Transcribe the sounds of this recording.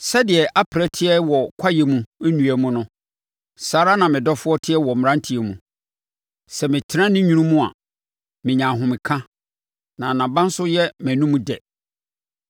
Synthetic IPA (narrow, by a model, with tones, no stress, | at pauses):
sɛ˦dɪ˨ɛ˨ʔa˦pʰɾɛ˦tʰɪ˦ɛ˦wɔ˨kʷʰa˦jɛ˨mũ˨e˦nũ˨æ˨mũ˦nʊ̃˦ | saː˨ɾa˦nã˨mɪ̃˨dɔ˦fʊ˦ɔ˦tʰɪ˦ɛ˦wɔ˨m˨ɾã˦n˦tʰi˨ɛ˨mũ˨ | sɛ˨mɪ̃˨tʰɪ˨ɾã˦nɪ̃˦ɲũ˦nũ˦mũ˦a̰˨ | mɪ̃˨ɲã˨ɦʊ̃˨mɪ̃˨kʰã˦ | nã˨nã˨bã˦n̩˦sʊ˦jɛ˦mæ̃˨nũ˦mũ˦dɛ̰˨